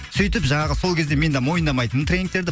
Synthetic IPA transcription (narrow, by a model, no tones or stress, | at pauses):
sʏjt̪ɪpʒɑɴɑʁəso̞lˠkʲʰe̞zd̪e̞me̞nd̪emo̞jənd̪ɑmɑjt̪ənmt̪rʲej̪iŋkt̪eɾd̪ɪ